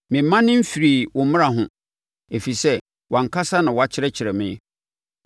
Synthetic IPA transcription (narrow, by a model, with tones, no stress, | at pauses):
mɪ̃˨mːã˦nɪ̃˦m̩˦fi˨ɾi˨wɔ˨mɪ̃˦ã˨ɦʊ̃˨ | e˨fi˨sɛ˦ | wʔã˨ŋ˨kʰa˦sa˦nã˨wɔ˨˦a˦t͡ɕʰɪ˦ɾɛ˦t͡ɕʰɪ˨ɾɛ˨mɪ̃˨˦